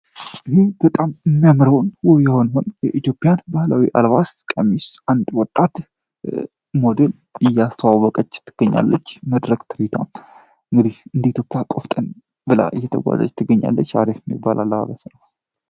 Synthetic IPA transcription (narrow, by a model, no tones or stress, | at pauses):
ʔiɦeb̥ət̪ʼamɨmːijamɾəwnwɔjɛho̞nɦonjɛʔit̪jo̞pʼɪjanbahlawiʔa̰lβaskʼəmisʔand̪wɔt̪ʼːat̪ | mo̞d̪el | ɪjːast̪ʰəwawːɔkʼət͡ʃːt̪ʰːɨɡ̥əɲːa̰lːət͡ʃːməd̪ɾəkʼt̪ʰɨɾit̪ʰa̰m | ʔɨŋɡɨd̪ihɨnd̪əit̪jo̞pʼɪjakʼoft̪ʼən | bɨla̰ʔɨjːɛt̪ʰə̰ɡʷa̰za̰d͡ʒt̪ʰɨɡəɲːa̰lːət͡ʃːa̰d̪efmːḭbːalʔa̰lːəha̰βəsnəw